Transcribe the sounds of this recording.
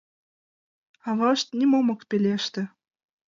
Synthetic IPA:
ɑβɑʃt̪nʲimomɤ̆kpelʲeʃt̪ɘ̆

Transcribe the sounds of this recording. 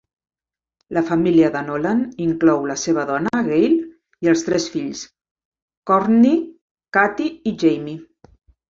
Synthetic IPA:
ləfəmiliəðənolaniŋklɔwləseβ̞əðɔnəɣejl | iəlˠst̪ɾɛsfiʎs | kɔrni | kat̪iːʒejmi

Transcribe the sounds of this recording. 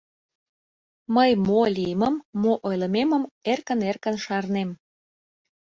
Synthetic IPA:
məjmolʲijəməmːoʔojlə̆meməmerkənerkənʃɑrnem

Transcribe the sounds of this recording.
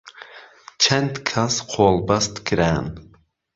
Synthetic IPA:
t͡ʃʰɛnt̪kʰasqʰoːlˠbɑst̪kʰɨɾæn

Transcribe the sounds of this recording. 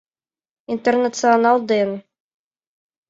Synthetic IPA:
int̪ernat̪sɨɐnɑlˠd̪en

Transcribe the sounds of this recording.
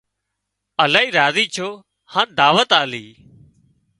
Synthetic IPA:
əlaːiːɾaːziːt͡ʃʰoː | haːnd̪aːʋət̪aːliː

